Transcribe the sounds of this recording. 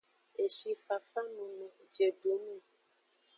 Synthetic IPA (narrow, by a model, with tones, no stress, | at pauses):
e˨ʃi˧fa˨fa˦nũ˨mɛ̃˨d͡ʒe˨ɖu˨˦nũ˦˨